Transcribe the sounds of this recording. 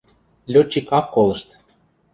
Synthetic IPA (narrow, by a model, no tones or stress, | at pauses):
lʲot͡ɕːikɑkːolˠɤ̆ʃt̪